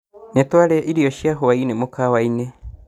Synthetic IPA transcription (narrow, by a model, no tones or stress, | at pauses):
nɛtwaɾɛʔiɾiɔʃjaɦoainemokawainɛ